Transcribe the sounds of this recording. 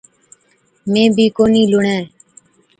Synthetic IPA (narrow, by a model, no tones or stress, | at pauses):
mẽːbʱiːkoːniːlʊɳɛ̃ː